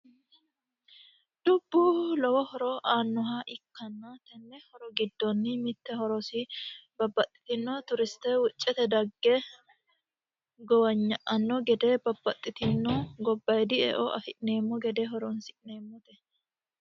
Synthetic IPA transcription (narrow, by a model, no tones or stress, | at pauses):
d̪̥ʊbːuːlɔwɔhɔɾɔʔaːnːʊɦaːʔɪkːɐnːat̪ɛnːɛhɔɾɔɡɪd̪ːɔnːɪmɪt̪ːɛhɔɾɔsɪbɐbːɐt̪ʼːɪ̥t̪ɪnːɔt̪ʊɾɪst̪ɛwʊt͡ʃʼːɛt̪ɛd̪ɐɡːe | ɡɔwɐɲːɐʔɐnːɔɡɛd̪eːbɐbːɐt̪ʼːɪt̪ɪnːɔɡɔbːɐjd̪ɪɛ̰ʔɔʔɐfɪʔneːmːɔɡɛd̪eɦɔɾɔnsɪʔneːmːɔt̪ɛ